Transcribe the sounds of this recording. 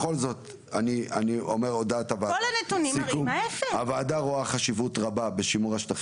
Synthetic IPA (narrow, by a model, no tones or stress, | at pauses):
χo̞lzo̞t̪ | ania̰nio̞me̞ʁod̪atavaolanetunisiumefeavaːd̪aʁoaχaʃivutʁababe̞ʃimuʁaʃtaχ